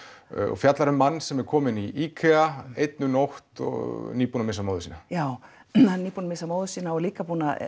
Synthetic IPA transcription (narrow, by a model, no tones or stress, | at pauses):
ɔ̰fjat̪laɾʏmːanːsɛmɛɾkʰɔːmɪniikʰɛaejt̪nʏnowht̪ɔ̰niːpunamɪsamoːðʏsiːnajaːw | aniːpunamɪsamowðʏsiːnaɔliːkapuːna